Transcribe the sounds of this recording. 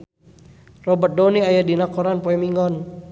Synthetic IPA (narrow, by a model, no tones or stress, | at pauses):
rɔbət̪̚dɔniajadinakɔɾanpɔɛmiŋɔn